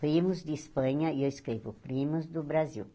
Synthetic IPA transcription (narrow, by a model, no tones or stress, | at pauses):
pɾĩmʊzd̪ɪispɐ̃ɲɐewiskɾevʊ̰pɾĩmʊzd̪ʊbɾazḭw